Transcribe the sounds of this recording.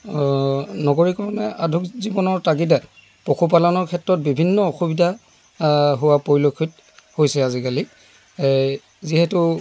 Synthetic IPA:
nɔɡoɹikɔɹɔnɛadʱukzibɔnɔɹtaɡidat | pokʰup̬alɔnɔɹkʰɛtɹɔt̚bibʱinːɔoxubidʱa | ɦuwapojlokʰit | hojsɛazikali | ziɦɛtʊ

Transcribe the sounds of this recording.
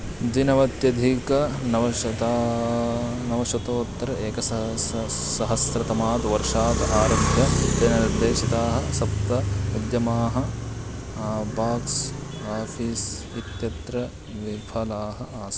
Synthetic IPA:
d̪inɐʋɐt̪jɐd̪ʱikɐnɐʋɐɐt̪aː | nɐʋɐʃʋɐt̪oːt̪ːɐɾɐeːkɐs | sɐɦɐsɾɐt̪ɐmaːd̪ɐʋɐɾʂaːd̪aːɾɐbʱjɐt̪eːnɐniɾd̪eːʃit̪aːɦɐ̆sɐp̚t̪ɐd̪jɐmaːɦɐ̆ | baːks | aːfiːs | it̪jɐt̪ɾɐ | ʋibʱɐlaːɦɐ̆ʔaːs

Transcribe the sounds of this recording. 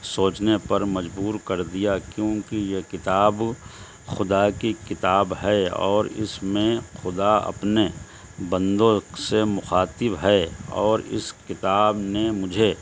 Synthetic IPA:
soːt͡ʃnepɐɾmɐd͡ʒbuːɾkɐɾd̪ijakjõːkijekɪt̪aːb | xʊd̪akikɪt̪aːbɦɛɔːɾɪ̰smẽxʊd̪aɐ̰pne | bɐ̃nd̪õsemʊxaːt̪ɪbɦɛɔːɾɪ̰skɪt̪aːbnemʊd͡ʒʱe

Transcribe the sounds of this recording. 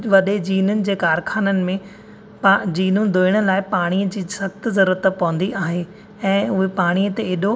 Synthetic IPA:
ʋɐɗed͡ʑiːnʊnɪ̆d͡ʑeːkaːɾkʰaːnənɪ̆mẽ | pad͡ʑiːnũd̪ʱoːɪɽ̃ʊ̆laːɪpaːɽ̃iːəd͡ʑiːsɐxt̪zɐɾuːɾət̪pɐʋə̃n̆d̪iʔaːɦe | ɛ̃ːʊɦepaːɽ̃iːət̪eeːɗo

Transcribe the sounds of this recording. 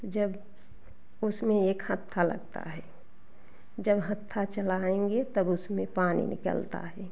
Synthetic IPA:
t̪d͡ʒəb | ʊsmẽeːkhət̪ʰːalə̰ɡt̪a̰ɦɛː | d͡ʒəbɦət̪ʰːat͡ʃəlaːẽŋɡet̪əbʊsmẽpaːnḭnɪ̰kə̰lt̪a̰ɦɛː

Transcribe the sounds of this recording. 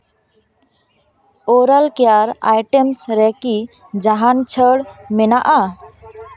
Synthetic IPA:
oɾəlkejaɾa̰jʈemsɾɛki | d͡ʒaɦant͡ʃʰəɽmɛnaʔa

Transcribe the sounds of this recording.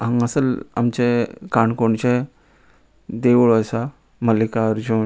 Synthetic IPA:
ãŋɡasəla̰mt͡ɕẽkaɳkoɳt͡ɕẽ | d̪eʋɭɔsa | məlikaəɾd͡ʑo

